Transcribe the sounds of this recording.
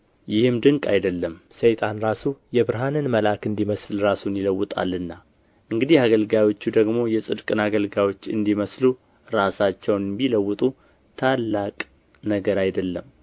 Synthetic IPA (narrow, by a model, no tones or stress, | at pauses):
jɪhɨmd̪ɨŋkʼa̰jd̪əlːəmsəjt̪ʼanɾasujɛbɨɾɦanɨnməlakɨnd̪iməslɾasunjɪləwːɨt̪ʼa̰lːɨnːa | ʔɨŋɡɨd̪ihaɡəlɡajwo̞t͡ʃːud̪əɡmo̞jɛsʼɨd̪kʼɨnaɡəlɡajwo̞t͡ʃːɨnd̪iməslu | ɾasat͡ʃːɛwnmbiləwːɨt̪ʼu | t̪ʰalːakʼ | nəɡəɾajd̪əlːəm